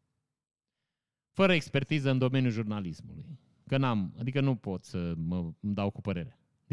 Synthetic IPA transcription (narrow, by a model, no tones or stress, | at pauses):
fəɾəekspe̞rt̪izəɨnd̪o̞me̞njuʒurnalismuluj | kənamad̪ikənupo̞t̪səməmd̪awkupəɾe̞ɾea | d̪